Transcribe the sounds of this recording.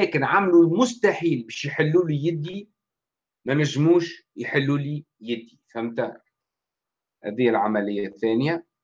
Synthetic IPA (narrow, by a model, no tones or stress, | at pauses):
ɛːkɪnʕamlulmʊst̪aħiːlbɛːʃjħɪlːuːlijɪd̪ːi | mænæʒːmuːʃjħɪlːuːli | jɪd̪ːifæmt̪a | hæ̰d̪ɪjːælʕamælɪjːæθːæːnja